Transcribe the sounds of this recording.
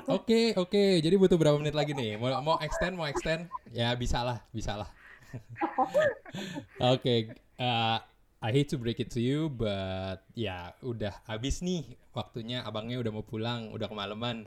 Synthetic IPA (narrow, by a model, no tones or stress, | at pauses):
okeoked͡ʒadibut̪ʊhbəɾapamənɪt̪laɡinɪhmomoʔɛkst̪ɛnmoɛkst̪ɛnjabisalahbisalah | oke | ə | ajɦet̚ːubɾekɪt̪ʰːujubət̪̚ja̰udahabɪsnɪwak̚t̪uɲaʔabaŋɲaudahmawpulaŋṵdahkəmaləman